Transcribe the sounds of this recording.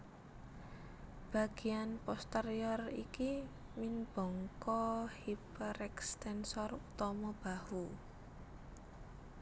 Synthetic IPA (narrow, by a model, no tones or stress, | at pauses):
b̥a̤ɡ̥i̤anpɔst̪eɾiɔriki | minb̥ɔ̤ŋkɔhipəɾɛkst̪ɛnsɔrut̪ɔmɔb̥ahu